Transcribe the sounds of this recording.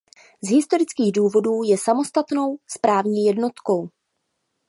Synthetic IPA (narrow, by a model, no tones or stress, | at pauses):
zɦɪst̪o̞ɾɪt͡skiːɣduːvo̞duːjɛsamo̞st̪at̪no̞wspɾaːvɲiːjɛdno̞t̪ko̞w